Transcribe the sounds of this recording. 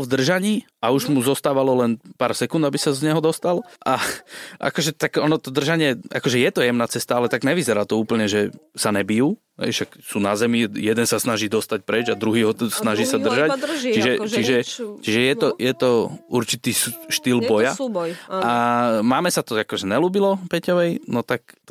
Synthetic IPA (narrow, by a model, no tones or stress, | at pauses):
vd̪r̩ʒaɲiː | auʒmuzɔst̪aːʋalɔlɛnpaːɾsɛkund̪abisazɲɛɦɔd̪ɔst̪alʔaʔa̰kɔʒɛt̪aɡɔnɔt̪ɔd̪r̩ʒaɲɪɛa̰kɔʒɛjɛt̪ɔjɛmnaːt͡sɛst̪aalɛt̪aɡɲɛʋizɛɾaːt̪ɔuːpl̩ɲɛʒɛsaɲɛbijuː | ɦɛ̰jʃaksuːnazɛmijɛd̪ɛnsasnaʒiːd̪ɔst̪ac̚pɾɛd͡ʒad̪ɾuɦiːɦɔsnaʒiːsad̪rrʒat͡ʃiʒɛt͡ʃiʒɛt͡ʃiʒɛjɛt̪ɔjɛt̪ɔuɾt͡ʃit̪iːʃt̪ilbɔja | amaːmɛsat̪ɔakɔʒɛɲɛluːbilɔpɛcɔʋɛjnɔt̪ak̚